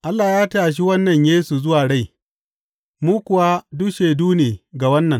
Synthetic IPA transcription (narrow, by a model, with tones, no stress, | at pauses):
ʔa˦lːaː˨jaː˦taː˨ʃ̬i˦wɐ˦nːɐ˨ɲjeː˦su˨zʊ˦waː˨ɽa˦˨j | muː˦kʷʊ˨wa˦dʊ˦kʃeː˨duː˦neː˨ɡa˨wɐ˦nːɐ˨ŋ